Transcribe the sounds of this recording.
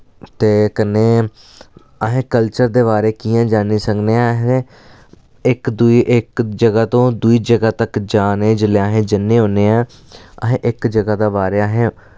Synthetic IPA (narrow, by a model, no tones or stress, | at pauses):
t̪eːkənːeː | əɦẽːkəlt͡ʃəɾd̪eːβaːɾeːkiːãːd͡ʒaːniːsəŋɡneːɛɦe | ɪkd̪uiʔɪkd͡ʒəɡaːt̪õːd̪uiːd͡ʒəɡaːt̪əkd͡ʒaːnẽːd͡ʒəleaːɦẽːd͡ʒɪnːẽːɦõːneːɛ̃ː | əɦẽːʔɪkd͡ʒəɡaːd̪aːbaːɾeːəɦẽː